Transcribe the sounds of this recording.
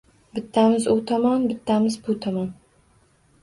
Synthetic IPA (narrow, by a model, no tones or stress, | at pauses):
bɪt̪ʰːamɪzʊt̪ʰɒmɒnbɪt̪ʰːamɪzbʊt̪ʰɒmɒn